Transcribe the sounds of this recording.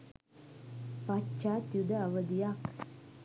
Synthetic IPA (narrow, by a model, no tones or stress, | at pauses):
pat͡ʃat̪jud̪əɐʋəd̪ijak